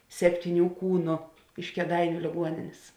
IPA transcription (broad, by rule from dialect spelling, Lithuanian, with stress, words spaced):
sʲɛpʲtʲiːˈnʲuː ˈkuːnʊ ɪʃ kʲeːˈdɐɪnʲʊ lʲeːˈɡuɔnʲɪnʲeːs